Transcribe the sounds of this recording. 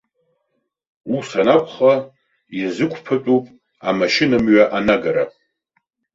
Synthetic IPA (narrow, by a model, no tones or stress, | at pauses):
usanakʷʰχa | izɨkʷʰpʰat͡pʼupʼ | amaʃɪnamɥaʔanaɡaɾa̰